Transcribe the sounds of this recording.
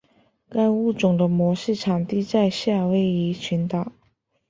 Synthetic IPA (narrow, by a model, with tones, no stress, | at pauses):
ka˥˧ɪu˥˩ʈ͡ʂʊ˨˩ŋd̪ə˦mwɔ˧˥ʂ̩˥˩ʈ͡ʂʰɑ˨˩ŋt̪i˥˧t͡sa˥˧ɪɕja˥˩we˧˥ɪi˧˥t͡ɕʰy˧˥nt̪ɑ˨˩˦